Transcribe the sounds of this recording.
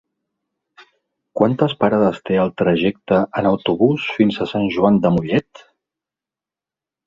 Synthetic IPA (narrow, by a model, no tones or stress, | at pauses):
kwant̪əspəɾaðəst̪eəlˠt̪ɾəʒɛk̚t̪əənəwt̪uβusfinzəsanʲʒuand̪əmuʎɛt̪